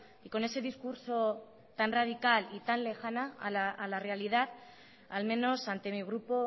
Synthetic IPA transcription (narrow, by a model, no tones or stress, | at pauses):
iko̞ne̞se̞ðiskuɾso̞ | t̪anrað̞ikalit̪anle̞xanaalaʔːlare̞alið̞að | almẽ̞no̞sant̪e̞miɣ̞ɾupo̞